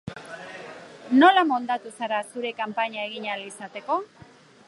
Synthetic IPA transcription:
no̞lamond̪at̪usaɾasuɾe̞kampaɲae̞ɣ̞iɲalisat̪e̞ko̞

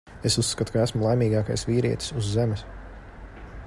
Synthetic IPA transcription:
esussːkat̪u̥kaæsmulˠajmʲiːɡɑːka̰jsviːɾiɛt̪i̥suzːemɛs

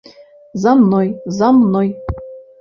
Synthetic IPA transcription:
zɑmnojzɑmnoj

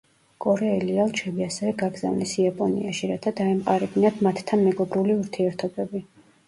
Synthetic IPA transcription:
kʼɔɾɛɛlialˠt͡ʃʰɛbiasɛvɛɡaɡza̰vnisiapʼɔnḭaʃiɾat̪ʰad̪aɛmqʼaɾɛb̪inat̪ʰmat̪ːʰanmɛɡɔbɾuliuɾt̪ʰiɛɾt̪ʰɔbɛbi

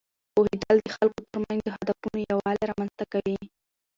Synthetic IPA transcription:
ohɪd̪ɑld̪əxalkot̪əɾmanzd̪əɦad̪afunojawɑleɾɑmanzt̪akawi

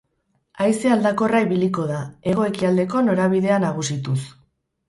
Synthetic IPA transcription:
ajseald̪ako̞rajβiliko̞ðae̞ɣ̞o̞e̞kiald̪e̞ko̞no̞ɾaβiðe̞anaɣ̞usit̪us

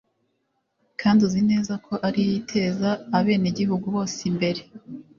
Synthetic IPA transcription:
kʰaːnduzine̞ːzakʰo̞ʔaɾijitʰe̞ːzaːβe̞ːneɟihuɡuβo̞ːsimbe̞ɾe̞

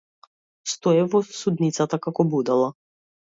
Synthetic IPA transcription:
st̪ɔɛvɔsud̪nit̪sat̪akakɔbud̪alˠa

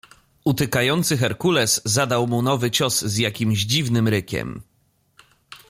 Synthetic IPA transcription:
ut̪ɘkajɔnt̪sɘxɛɾkulɛsːad̪awmunɔvɘt͡ɕɔszjakʲimʲʑd͡ʑivnɘmɾɘkʲɛ̰m

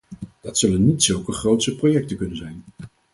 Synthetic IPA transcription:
d̥ɑtsɵlənːitsɵlˠkəχrowtsəprojɛk̚təkɵnənzɛjn

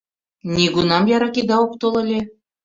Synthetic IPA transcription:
nʲiɡunɑmjɑɾɑked̪ɑok̚t̪olˠɤ̆lʲe

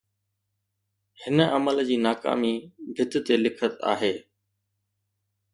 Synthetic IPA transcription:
hɪnəʔɐməld͡ʑiːnaːka̰ːmibʱɪt̪̆t̪elɪkʰət̪a̰ːɦeː

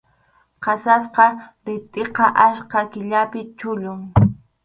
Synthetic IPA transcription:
qɑsas̬qɑɾɪt̪ʼeqɑʔaʃqɑkɪʎapɪt͡ʃʊʎʊŋ

